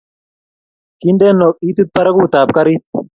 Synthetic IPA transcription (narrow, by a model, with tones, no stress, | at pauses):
kind̪eː˦nːo˨k̚i˦t̪u˦t̪̚pɐ˦ɾɐ˦ku˦t̪aː˨p̚kɐ˦ɾi˦t̪